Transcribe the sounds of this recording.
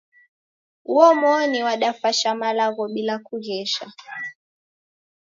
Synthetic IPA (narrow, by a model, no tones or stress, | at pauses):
uɔmɔniwaɗafaʃamalaɣɔɓilakuɣɛʃa